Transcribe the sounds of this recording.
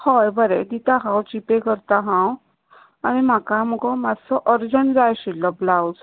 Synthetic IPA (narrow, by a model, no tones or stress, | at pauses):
hɔjbəɾed̪it̪aɦãwt͡ɕipekəɾt̪aɦãw | aɽ̃im̤akamuɡɔmasɔʔəɾd͡ʑəɳd͡zajɕilːɔblawd͡z